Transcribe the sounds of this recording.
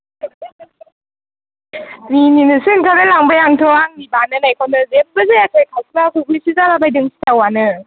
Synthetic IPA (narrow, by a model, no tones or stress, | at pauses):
nininɯsɯŋkʰadajlaŋbajaŋtʰɯaŋnibanɯnajkʰɔnɯzem̚bɯzejakʰɯjkʰawsʰɯlakʰukʰujsizalabajdɯŋsi̥tawanɯ